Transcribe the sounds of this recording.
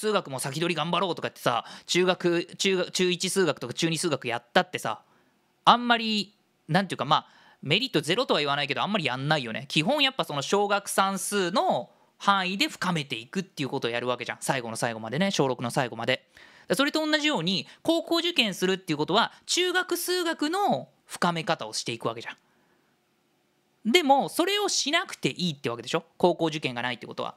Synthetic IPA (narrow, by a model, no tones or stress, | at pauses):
sɨːɡakɯ̟mosakʲid̪o̞ɾʲiɡãmbaɾo̞ːt̪o̞kai̥t̪ːe̞sa̰t͡ɕɨːɡakɯ̟t͡ɕɨːɡḁt͡ɕɨːit͡ɕisɨːɡakɯ̟t̪okḁt͡ɕɨːɲ̟isɨːɡakɯ̟ja̰t̪ːat̪ːe̞sã̰ː | mːaɾʲi | nãnt̪ejiɯ̟kamaː | me̞ɾʲit̪ːoze̞ɾo̞t̪o̞βaiβ̞anaike̞d̪o̞ãmːaɾʲijãnːaijo̞ne̞̰kʲiɦõ̞ɰ̃japːaso̞no̞ɕo̞ːɡakɯ̟̥sãɰ̃sɨːno̞ | hãɰ̃id̪e̞ɸɯ̥kame̞t̪e̞ikɯ̟t̪ːe̞iɯ̟ko̞t̪o̞ːjaɾɯ̟β̞ake̞ʑã̰ŋ̃saiɡo̞no̞saiɡo̞mad̪e̞neɕo̞ːɾo̞kɯ̟no̞saiɡo̞mad̪e̞d̪̥aso̞ɾe̞t̪õ̞ːnːaʑijo̞ːɲ̟iko̞ːko̞ːʑɨkẽ̞ɰ̃sɨɾɯ̟t̪ːeiɯ̟ko̞t̪o̞βat͡ɕɨːɡakɯ̟sɨːɡakɯ̟no̞ | ɸɯ̟̥kame̞kat̪ao̞ɕi̥t̪e̞ikɯ̟βake̞ʑãŋ̃ | d̪e̞mo̞so̞ɾe̞o̞ɕinakɯ̟̥t̪e̞ʔiːt̪ːeɯβake̞d̪e̞ɕo̞ko̞ːko̞ːʑɨkẽ̞ŋɡanait̪ːḛko̞t̪oa̰